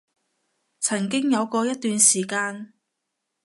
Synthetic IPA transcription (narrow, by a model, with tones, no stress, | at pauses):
t͡sʰɐ˨˩ŋkɪ˥ŋjɐ˨˧wkɔː˧jɐ˥t̪̚yː˧nsiː˨˩kaː˧n